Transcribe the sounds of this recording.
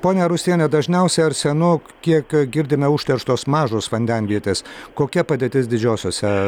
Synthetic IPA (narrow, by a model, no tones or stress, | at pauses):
poːnʲɛɾʊsʲt̪ʲiɛnʲɛd̪ɐʒʲnʲɛʊsʲɛɐɾsʲɛnʊ | kʲiɛkɡʲɪɾʲd̪ʲɪmʲɛʊʃʲt̪ʲɛɾʃt̪oːsmɑːʒoːsʋɐnʲd̪ʲɛnʲʋʲiɛt̪ʲeːskoːkʲɛpɐd̪ʲeːt̪ʲɪsd̪ʲɪd͡ʒʲoːsʲoːsʲɛ